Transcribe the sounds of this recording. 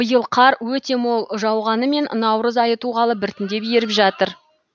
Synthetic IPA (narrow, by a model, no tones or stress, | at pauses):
b̥əjəlˠqʰɑɾwɵt̪e̞molˠʒɑwʁɑnəme̞nnɑwɾəzɑjət̪uʁɑlˠəbɪɾt̪ɪnd̪e̞pjeɾɪpʒɑt̪əɾ